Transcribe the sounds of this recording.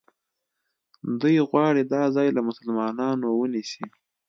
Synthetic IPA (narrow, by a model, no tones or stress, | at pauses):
d̪ujɣwɑɽid̪ɑzɑjlamʊsalmɑnɑnowənisi